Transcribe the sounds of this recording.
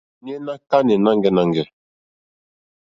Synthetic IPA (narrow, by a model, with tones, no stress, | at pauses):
ni˦ɛ˦na˦ka˦nɛ˨na˦ŋɡɛ˦na˨ŋɡɛ˨